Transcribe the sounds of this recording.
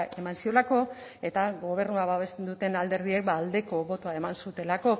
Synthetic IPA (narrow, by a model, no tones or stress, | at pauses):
e̞mansio̞lako̞ | e̞t̪aɣo̞β̞e̞ɾnuaβaβe̞st̪e̞nd̪ut̪e̞nald̪e̞ɾðie̞k̚baːld̪e̞ko̞βo̞t̪oae̞mansut̪e̞lako̞